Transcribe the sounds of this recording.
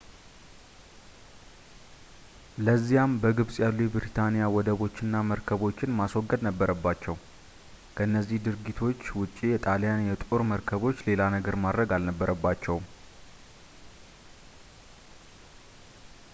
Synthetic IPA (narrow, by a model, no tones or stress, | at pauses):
ləzːijambəɡɨβsʼjalːujɛbɨɾit̪ʰanijawɔd̪əβo̞t͡ʃːɪnːaməɾkʰəβo̞t͡ʃːɪnmaswɔɡːəd̪nəbːəɾəbːat͡ʃːɛw | kʰəɨnːəzːihd̪ɨɾɡit̪ʰo̞t͡ʃːwʊt͡ʃʼːijɛt̪ʼaljanjɛt̪ʼoɾməɾkʰəβo̞t͡ʃːle̞lanəɡəɾmad̪ɾəɡalnəbːəɾʔəbːat͡ʃːɛw